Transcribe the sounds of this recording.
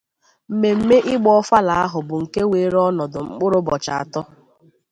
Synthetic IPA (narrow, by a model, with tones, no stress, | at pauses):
m̩˨me˨m̩˦me˦ʔɪ˦ɡ͡bɔ˦ɔ˦fa˦la˨a˦ɦʊ˨bʊ˨ŋ̩˨ke˦we˨˦ɾɔ˦nɔ˨dʊ˨ŋ͡m̩˦k͡pʊ˦ɾʊ˦bɔ˨t͡ʃa˨a˨tɔ˦